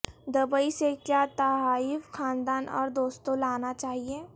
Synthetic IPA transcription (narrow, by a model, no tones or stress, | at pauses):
d̪ɐbəisekjaːt̪ɐɦaːifkʰãːnd̪aːnɔ̰ːɾd̪oːst̪õlaːnat͡ʃaːɦieː